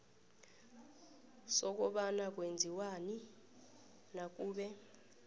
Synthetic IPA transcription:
sɔk̬ʼɔɓanak̬ʼwend͡zʱiwani | nak̬ʼuːɓɛ

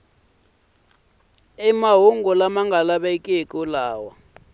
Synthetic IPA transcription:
imaɦuŋɡɔlamaŋɡʱalaɓɛkʼiekʼulaːwa

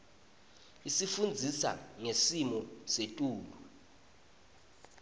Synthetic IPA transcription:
isifund͡zʱisa̰ŋesimɔsetʼuːlu

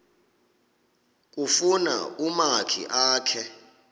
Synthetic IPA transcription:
k̬ʼufuna̰umakʰḭʔaːkʰɛ

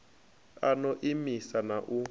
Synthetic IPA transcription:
anɔʔimisanaʔu

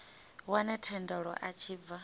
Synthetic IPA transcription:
wanɛtʰɛndɔɺɔ̰ʔat͡ʃʰiːb̪va

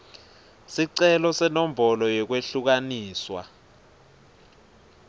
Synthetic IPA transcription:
siǀɛlɔsɛnɔm̩bɔlɔjɛk̬weɬuk̬aniːswa̰

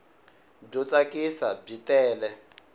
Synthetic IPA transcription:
b͡ʐɔt͡sakisab͡ʐitɛːlɛ

